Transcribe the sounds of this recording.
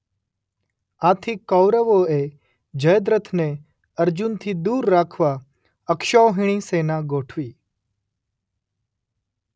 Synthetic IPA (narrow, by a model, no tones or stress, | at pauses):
aːt̪ʰikːɔwɾəʋoːeː | d͡ʒəjəd̪ɾət̪ʰne | əɾd͡ʒʊnt̪ʰiːd̪uːɾːaːkʰʋa | əkʃoːɦɪɽ̃iːseːnaːɡoːʈʰʋiː